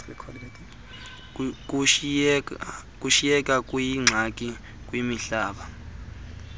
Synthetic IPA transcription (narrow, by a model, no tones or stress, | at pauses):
ikʰɔ | kʼuʃijɛkʼakʼwjiŋ͡ǀʱakʼi | kʼwimiɬaːɓa